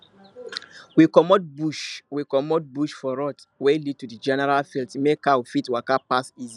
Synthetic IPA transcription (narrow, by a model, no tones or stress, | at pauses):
wikɔmɔt̚buʃwikɔmɔt̚buʃfɔɹɔt | welid̚tudid͡ʒɛnɛɹalfiltmekawfitwakapasizi